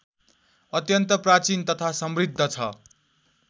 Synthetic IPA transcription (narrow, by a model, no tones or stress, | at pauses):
ʌt̪jʌnt̪ʌprat͡sint̪ʌt̪ʰasʌmrid̪ʱːʌt͡sʰʌ̰